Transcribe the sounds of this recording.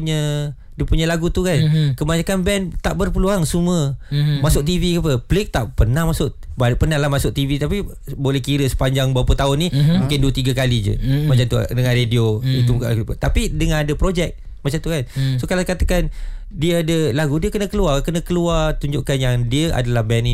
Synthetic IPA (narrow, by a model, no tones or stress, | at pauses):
puɲə | diəpuɲə̃laɡut̪ukankəmaakanbɛnt̪aʔbərpəluaŋsuməmasʊk̚t̪ivikapəplik̚t̪aʔpərnãmasʊʔ | bapənahlahmasʊkʔ̚t̪ivit̪api | bolɛhkiɾəsə̥paɲd͡ʒaŋbaapət̪aʊnːĩmmũŋkɪnduət̪iɡakalid͡ʒə̰mat͡ʃamt̪ṵdəŋãnredioiumukkupət̪apidəŋãnadəpɾod͡ʒɛk̚ | mat͡ʃamt̪ukansokalakat̪əkan | diəadəlaɡudiəkənəkəluarkənəkəluart̪uɲd͡ʒʊʔkanjaŋdiəʔa̰dalahbɛni